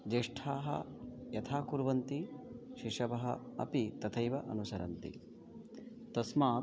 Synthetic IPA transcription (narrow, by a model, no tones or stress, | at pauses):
d͡ʒeːʂʈʰaːɦɐ̰jɐt̪ʰaːkuɾʋɐnt̪iʃiʂɐʋɐɦɐ̰ɐ̰pit̪ɐt̪ʰɐjʋɐʔɐnusɐɾɐ̰nt̪ḭ | t̪ɐsmaː